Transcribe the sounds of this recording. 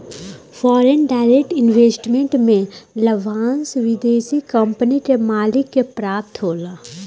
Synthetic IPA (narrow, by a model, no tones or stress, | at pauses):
fɔːɾenɖaːɪɾek̚ʈɪnʋeːsʈmẽɳʈmẽləʋʱaːnsʋɪd̪eːsikə̃mpənikemaːlɪkːepɾaːp̚t̪ɦoːlaː